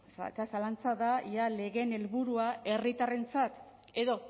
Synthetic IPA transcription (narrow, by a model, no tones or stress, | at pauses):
sa̰kasalant͡saðajʝale̞ɣe̞ne̞lβuɾuae̞rit̪are̞nt͡sat̪e̞ðo̞